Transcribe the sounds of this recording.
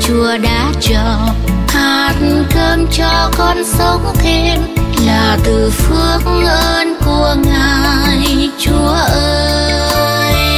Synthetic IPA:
t͡ɕu˨˧˦əɗa̰ː˧˥t͡ɕɔ˨˩ | haː˨˩t̚n̩˨t̪ʰəː˧mt͡ɕɔ˧kɔ˧nsə˨˦wŋ͡mxe˧˦nlaː˨˩t̪ɨ˨˩fɨ˧əŋʔəː˧nku˨˩əŋaː˨˩˨jt͡ɕu˨˧˦əʔəː˧ | j

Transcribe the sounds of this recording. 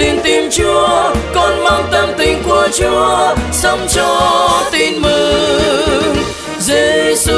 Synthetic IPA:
i˧˩nt̪i˧mt͡ɕu˨˧˦əkɔ˧nma˧wt̪ə˧mt̪ï˧ŋ̟ku˧˩ət͡ɕu˧˦əsə˧˦wŋ͡mt͡ɕɔ˧t̪i˧nmɨ˧˨ | zi˧˩s

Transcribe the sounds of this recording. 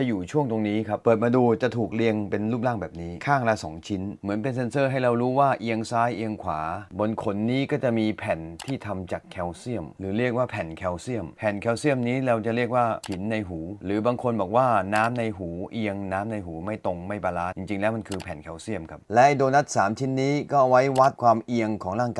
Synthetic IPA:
t͡ɕa˨˩juː˨˩t͡ɕʰu˥˩əŋt̪o˧ŋniː˦˥kʰa˦˥p̚pːɤː˨˩t̪̚maː˧duː˧t͡ɕa˨˩t̪ʰuː˨˩k̚li˧əŋpe˧nluː˥˩p̚laː˥˩ŋbɛː˨˩p̚niː˦˥kʰaː˥˩ŋla˦˥sɔ̰ː˩˦ŋt͡ɕʰi˦˥nmɯ˩˦ənpe˧nse˧nsɤː˥˩ɦa˥˩jɾa˧wɾuː˦˥waː˥˩ʔi˧əŋsaː˦˥jʔi˧əŋkʰwaː˩˦bo˧nkʰo˧˩nːiː˦˥kɔː˥˩t͡ɕa˨˩miː˧pʰɛ˨˩nt̪ʰiː˥˩t̪ʰa˧mt͡ɕaː˨˩kʰːɛ˧wsi˥˩əmɾɯː˩˦ɾi˥˩ək̚waː˥˩pʰɛ˨˩nkʰɛ˧wsi˥˩əmpʰɛ˨˩nkʰɛː˧wsi˥˩əmniː˦˥ɾa˧wt͡ɕa˨˩ʔɾi˥˩ək̚waː˥˩pʰi˩˦nːa˧jɦuː˩˦ɾɯː˩˦baː˧ŋkʰo˧nbɔː˨˩k̚waː˥˩naː˦˥mna˧jɦuː˩˦ʔi˧əŋnaː˦˥mna˧jɦuː˩˦ma˥˩jt̪o˧ŋma˥˩jpaː˧laː˦˥t̪t͡ɕi˧ŋt͡ɕi˧ŋlɛː˦˥wma˧nkʰɯː˧pʰɛ˨˩nkʰɛː˧wsi˥˩əmkʰa˦˥p̚lɛ˦˥doː˧na˦˥t̪̚saː˩˦mt͡ɕʰi˦˥nːiː˦˥kɔː˥˩ʔwa˦˥jwa˦˥t̪̚kʰwaː˧mʔi˧əŋkʰɔː˩˦ŋlaː˥˩ŋka˧

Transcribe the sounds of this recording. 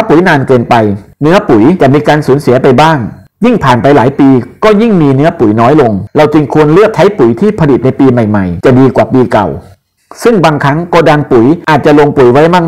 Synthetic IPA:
t̪ʰa˥˩pu˨˩˦jnaː˧nkɤː˧npa˧jnɯ˦˥ɐpu˩˦jt͡ɕa˨˩miː˧kaː˧nsuː˩˦nsi˨˩˦ɐpa˧jbaː˥˩ŋ | ji˥˩ŋpʰaː˨˩npa˧jlaː˩˦jpiː˧kɔː˥˩ji˥˩ŋmiː˧nɯ˦˥ɐpu˨˩˦jnɔː˦˥jlo˧ŋɾa˧wt͡ɕi˧ŋkʰu˧ənlɯ˥˩ək̚t̪ʰa˦˥jpu˨˩˦jt̪ʰiː˥˩pʰa˧li˨˩t̪̚na˧jpiː˧ma˨˩jma˨˩jt͡ɕa˨˩diː˧kwaː˨˩piː˧ka̰˨˩w | sɯ˥˩ŋbaː˧ŋkʰa˦˥ŋkɔː˥˩daː˧ŋpu˨˩˦jʔaː˨˩t̪̚t͡ɕa˨˩lo˧ŋpu˨˩˦jwa˦˥jmaː˥˩k̚

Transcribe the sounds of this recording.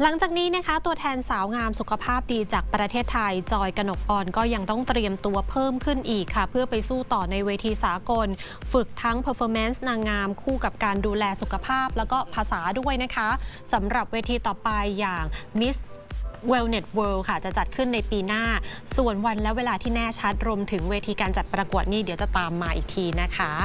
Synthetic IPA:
la˩˦ŋt͡ɕaː˨˩k̚niː˦˥na˦˥kʰa˦˥t̪u˧ət̪ʰɛː˧nsaː˩˦wŋaː˧msu˨˩kʰa˧pʰaː˥˩p̚diː˧t͡ɕaː˨˩k̚pɾa˧t̪ʰeː˥˩t̪ʰːa˧jt͡ɕɔː˧jka˧no˨˩k̚ʔɔː˧nkɔː˥˩ja˧ŋt̪ɔ˥˩ŋt̪ɾi˧əmt̪u˧ɐpʰɤː˥˩mkʰɯ˥˩nʔiː˨˩kʰːa˥˩pʰɯ˥˩ɐpa˧jsuː˥˩t̪ɔː˨˩na˧jweː˧t̪ʰiː˧saː˩˦ko˧n | fɯ˨˩k̚t̪ʰa˦˥ŋpʰɤː˧fʰɔː˧me˦˥nsnaː˧ŋaː˧mkʰuː˥˩ka˨˩p̚kaː˧nduː˧lɛː˧su˨˩kʰa˧pʰaː˥˩p̚lɛː˦˥wkɔː˥˩pʰaː˧saː˩˦du˥˩əjna˦˥kʰa˦˥sa˩˦mɾa˨˩p̚weː˧t̪ʰiː˧t̪ɔː˨˩pa˧jːaː˨˩ŋmi˦˥s | we˧wne˨˩t̪̚wɤː˧wkʰa˥˩t͡ɕa˨˩t͡ɕa˨˩t̪̚kʰɯ˥˩nːa˧jpiː˧naː˥˩su˨˩ənwa˧nlɛ˦˥weː˧laː˧t̪ʰiː˥˩nɛː˥˩t͡ɕʰa˦˥t̪̚ɾu˧əmt̪ʰɯ˩˦ŋweː˧t̪ʰiː˧kaː˧nt͡ɕa˨˩t̪̚pɾa˧ku˨˩ət̪̚niː˥˩di˨˦wt͡ɕa˨˩t̪aː˧mːaː˧ʔiː˨˩k̚t̪ʰiː˧na˦˥kʰa˦˥

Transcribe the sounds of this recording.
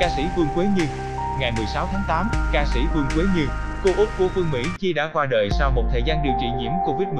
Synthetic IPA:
kaː˧sḭ˧˥fɨ˧əŋkwe˨˦ɲɨ˧ | ŋa˨˩jmɨ˨˩əjsaː˨˦wt̪ʰaː˨˦ŋt̪aː˨˦mkaː˧sḭ˧˩˥fɨ˧əŋkwe˨˦ɲɨ˧ | ko˧ʔʊ˦˥k͡p̚kṵ˧˩fɨ˧əŋmḭ˧˥t͡ɕi˧ɗa̰ː˧˥kwaː˧ɗə̰ː˧˨˩jsa˧wmo˨˩t̚t̪ʰəː˨˩jzaː˧nɗi˨˩əwt͡ɕḭ˧˨ɲḭ˧˥əmko˧vi˦˥t̚mɨ˨˩

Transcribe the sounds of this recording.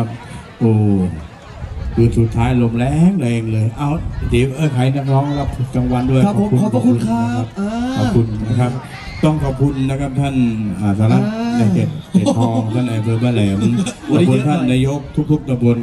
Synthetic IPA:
a˧˥p̚ | ʔoː˧˩ | kʰɯː˧˩su˨˩t̪ʰːaː˦˥jlo˧˩mlɛː˦˨ŋlɛː˧ŋlɤː˧jʔa˧˩wde˨˦ʔɤː˧˩kʰa˨˦jna˧˩k̚lɔː˦˥ŋka˧˩p̚t͡ɕa˧ŋwa˧˥ndu˥˩˨jkːkʰːkkʰu˧nna˧kʰa˦˧˥p̚ːkɔː˨˧˩kʰu˧nːa˦˧kʰa˦˥p̚ | t̪ɔ˥˩ŋkʰɔː˨˧˩pkʰu˧nːa˧˩kʰa˦˥p̚t̪ʰa˥˩nʔaː˨˩sʰaː˧la˧˩a˧˩e˨˩t̪̚heː˨˩pʰɔː˧˩ŋt̪ʰa˥˩nʔa˨˩jpʰɤː˧baː˧˩lɛː˩˦m˧mbo˧˨nt̪ʰaː˥˨aː˧jo˦˥˩k̚t̪ʰu˦˥k̚t̪ʰu˦˥˩k̚t̪ʰa˧mbo˧n

